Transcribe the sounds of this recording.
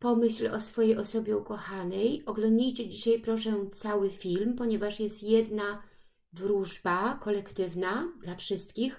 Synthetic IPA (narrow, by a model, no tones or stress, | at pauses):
pɔmɘɕlɔsfɔjejɔsɔbʲjɛukɔxanɛjɔɡlɔnd̪d͡ʑijt͡ɕɛd͡ʑiɕajpɾɔʂɛt̪sawɘfʲilmpɔɲɛvaʂjɛst̪jɛd̪na | d̪ɾuʐbakɔlɛkt̪ɘvnad̪lafʂɘst̪kʲix